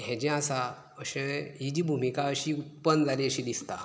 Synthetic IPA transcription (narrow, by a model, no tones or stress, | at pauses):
ɦɛ̃d͡ʑɛ̃asa | əɕẽɦid͡ʑiːbʱumikaəɕiut̪̚pənd͡zʱaliəɕĩd̪ist̪a